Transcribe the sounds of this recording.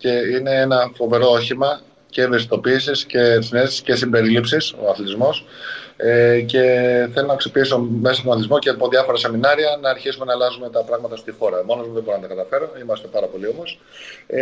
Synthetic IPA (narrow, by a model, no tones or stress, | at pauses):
ce̞ine̞enɐfo̞ve̞ɾo̞oçimɐ | ce̞vesi̥t̪o̞piːsisce̞sinesi̥sce̞simbeɾilipsiso̞̰ɐθlet̪izmo̞sece̞θelonɐksipiiso̞me̞sɐst̪onθizmocepoðʝɐfo̞ɾɐse̞minɐɾiɐnɐːɾçisume̞nɐlɐzume̞t̪ɐpɾɐɣmɐt̪ɐst̪ixo̞ɾɐmo̞nozuðeboɾonɐt̪ɐkɐt̪ɐfe̞ɾoimɐst̪e̞pɐɾɐpo̞lio̞mo̞s